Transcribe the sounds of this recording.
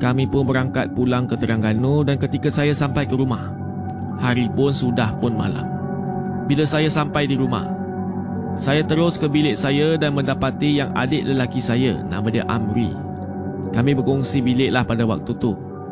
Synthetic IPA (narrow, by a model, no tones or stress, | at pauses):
kamĩpʊnbəɾaŋkat̪̚pulaŋkət̪əɾaŋɡanudankət̪ikasajasampajkəɾumah | haɾipʊnsudahpʊnma̰la̰m | bilasajasampajdiɾuma̰h | sajat̪əɾʊskəbilɪʔsajadanmə̃ndapat̪ijaŋa̰dɪʔləlakisaja̰nã̰madia̰ʔa̰mɾḭ | kamĩbərkɔŋsibilɪʔlahpadawa̰k̚t̪ut̪u